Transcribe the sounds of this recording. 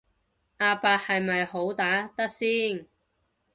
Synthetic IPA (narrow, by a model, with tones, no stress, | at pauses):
ʔaː˧paː˧t̚hɐ˨jmɐ˨jho˨˥wt̪aː˨˥t̪ɐ˥k̚siː˥n